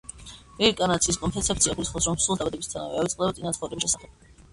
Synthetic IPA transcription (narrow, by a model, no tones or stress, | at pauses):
vɛɾikʼanat̪sʰiːskʼɔnpʰɛt̪sʰɛpt̪sʰiaɡulisχɔsɾɔmsulˠd̪abad̪ɛbist̪ʰana̰vɛ̰avit̪sʼqʼd̪ɛbat̪sʼinat̪χɔɾɛbiʃɛsaχɛb̥̚